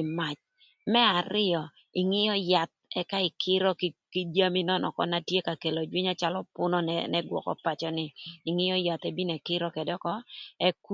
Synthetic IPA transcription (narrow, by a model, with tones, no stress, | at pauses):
ɪ˨ma˨t͡ʃ | mɛ˦a˨ɾɪ˦ɔ˨ | ɪ˨ŋɪ˦jɔ˦ja˨t̪̚ɛ˦ka˦ɪ˨kʰɪ˦ɾɔ˦kkɪ˦d͡ʒa˦mɪ˦nɔ˦nɔ̰˨kɔ̰˦na˨tje˦ka˨ke˨lo˨d͡ʒwɪ˦ɲɔ˦t͡ʃa˦lɔ˦pʊ˦nɔ˦nnɛ˦ɡwɔ̰˨kɔ̰˦pa˨t͡ʃɔ˦nɪː˨ŋɪ˦jɔ˦ja˨t̪ɛ˦bi˦nɛ˨kɪ˦ɾɔ˦kɛ˨dɔ˦kɔ˦ɛ˦ku˦